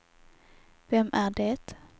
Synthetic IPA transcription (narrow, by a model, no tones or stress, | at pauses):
vɛmʔæɖɛt̪